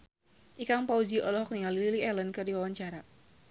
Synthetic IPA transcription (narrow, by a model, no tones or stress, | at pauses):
ʔikaŋpaud͡ʒiɔlɔɦɔk̚niŋalililiɛlənkɨrdiwawaɲt͡ʃaɾa